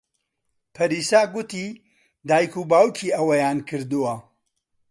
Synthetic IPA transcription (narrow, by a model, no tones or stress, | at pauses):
pʰɐɾiːsaːɡʊt̪i | d̪aːjkubaːwkʰiːʔɐwɐjaːnkʰɨɾd̪uwɐ